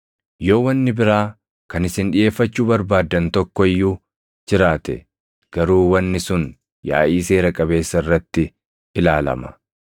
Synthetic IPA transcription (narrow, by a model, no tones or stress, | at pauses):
jo̞ːwɐnːɪbɪɾaː | kɐnɪsɪnᶑɪje̞ːfːɐt͡ʃːuːbɐɾbaːd̪ːɐnt̪ɔkːɔɪjːuː | d͡ʒɪɾaːt̪ɛ̰ | ɡ̥ɐɾuːwɐnːɪsʊn | ja̰ːʔiːse̞ːɾɐkʼɐbe̞ːsːɐɪrːɐt̪ːɪ | ʔɪlaːlɐ̰mɐ